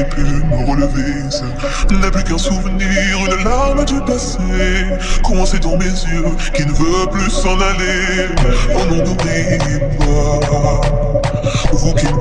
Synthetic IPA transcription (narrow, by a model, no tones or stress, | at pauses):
epyməʁələve | s | naplykɛ̃suvəniʁeləlaʁmd̪ypas | e | kɔmɑ̃sed̪ɑ̃mezjø | kilnəvøplysɑ̃nale | ɔ̃nɔ̃d̪uʁi | pa | vukɛ